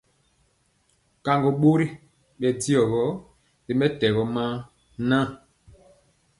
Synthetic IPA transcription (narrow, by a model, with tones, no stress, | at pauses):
ka˨ŋɡɔ˨ɓo˦ɾi˦ | ɓɛ˨di˦ɔ˨ɣɔ˦ | di˨mɛ˦tɛ˨ɣɔ˨˦mã˦ | nã˦˨